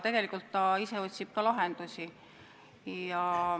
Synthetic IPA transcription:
t̪e̞ɡ̥e̞likːˑult̪ːɑise̞o̞t̪ʲsib̥̚kɑlɑɦe̞nd̪̥usʲi | jɑ

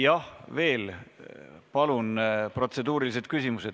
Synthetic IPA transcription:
jɑhve̞ːl | pɑlunpro̞t̪se̞d̪uːɾilise̞t̪̚kysʲimuse̞d̪̥

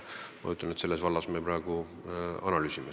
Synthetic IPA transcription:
mɑojut̪ːˑɑne̞t̪se̞lːe̞svɑlːɑsmepɾɑeɡ̥u | ɑnɑlyːsʲime

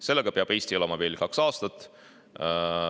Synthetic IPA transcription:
se̞lːeɡ̥ɑpeɑb̥e̞jst̪iolɑmɑve̞ːlkɑksɑːst̪ɑt̪ːˑ

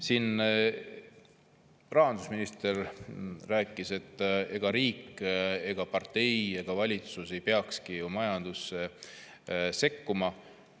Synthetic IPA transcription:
siːn | rɑɦɑnd̪̥usminist̪e̞rræːkːˑise̞t̪ːˑe̞ɡ̥ɑɾiːkːˑe̞ɡ̥ɑpɑrt̪e̞je̞ɡ̥ɑvɑlʲit̪suse̞jpeɑkskiomɑjɑnd̪̥usːe | se̞kːumɑ

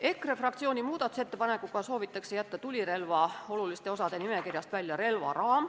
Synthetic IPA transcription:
e̞krefrɑk̚t̪sio̞ːnʲimuːd̪̥ɑt̪u̥set̪ːe̞pɑne̞kːˑuɡɑso̞ːvit̪ːˑɑkse̞jæt̪ːɑt̪ulʲiɾe̞lvɑo̞lulist̪e̞o̞sɑd̪̥e̞nime̞kirjɑst̪vælʲjɑɾe̞lvɑ̰ɾɑːm

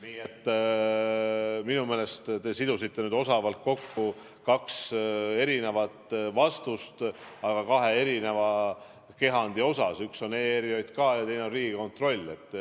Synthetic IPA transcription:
niːet̪ː | minume̞ːle̞st̪t̪e̞sid̪usit̪ːe̞nyːd̪o̞sɑvɑlt̪̚ko̞kːu | kɑkse̞ɾine̞vɑt̪vɑst̪ust̪ɑɡ̥ɑkɑɦe̞e̞ɾine̞vɑ | ke̞ɦɑnd̪̥io̞sɑsykso̞neeɾio̞jd̪̥kɑːjɑt̪e̞jnenriːɡ̥iko̞nt̪ro̞lʲːe̞t̪ːˑ

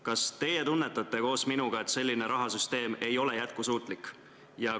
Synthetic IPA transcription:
kɑst̪e̞je̞t̪unːe̞t̪ːˑɑt̪ːˑe̞ko̞ːsminuɡ̥ɑe̞t̪se̞lʲːine̞ɾʔɑɦɑsyst̪e̞ːme̞jo̞le̞jæt̪̚kusuːt̪ˑlikːˑ | jɑ

